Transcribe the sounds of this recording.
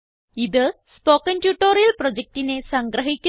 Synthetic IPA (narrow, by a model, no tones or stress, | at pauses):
iðɨ | spoːkːɐntjuːʈːoːrijɐlprod͡ʑek̚tine̞sɐŋɡɾɐɦikʲːu